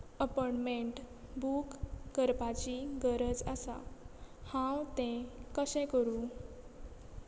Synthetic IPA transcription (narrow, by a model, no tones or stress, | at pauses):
əpɔɳmeɳʈ | bukɡəɾpat͡ɕiɡəɾəd͡za̰sa̰hãwt̪ɛ̃kəɕɛ̃kəɾũ